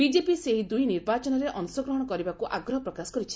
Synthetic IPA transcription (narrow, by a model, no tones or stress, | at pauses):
bid͡ʒepiseɦid̪ujniɾbat͡ʃɔnɔɾeʔɔnsɔɡɾɔɦɔɽ̃ɔkɔɾibakuʔaɡɾɔɦɔpɾɔkasɔ̥kɔɾit͡ʃʰi̥